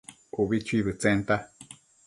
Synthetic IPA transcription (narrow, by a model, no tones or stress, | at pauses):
uβit͡ʃʰuiβɨt͡sent̪a